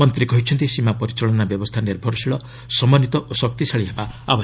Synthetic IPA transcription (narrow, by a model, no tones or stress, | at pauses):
mɔnt̪ɾikɔɦit͡ʃʰɔnt̪isimapɔɾit͡ʃɔɭɔnabjɔbɔst̪ʰaniɾbʱɔɾɔsiɭɔ | sɔmɔnit̪ɔʔosɔk̚t̪isaɭiɦebaabɔ